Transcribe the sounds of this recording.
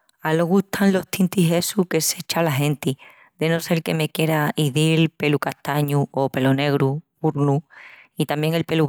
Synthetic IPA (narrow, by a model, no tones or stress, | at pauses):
alo̞ɣut̪ʰanlo̞ht̪int̪iɦe̞suke̞se̞t͡ʃalaɦe̞nt̪i | d̪e̞no̞se̞lke̞me̞kje̞ɾaiðilpe̞lukaht̪aɲuo̞pe̞lone̞ɣ̞ɾu | uɾnuit̪ambje̞ŋe̞lpe̞lu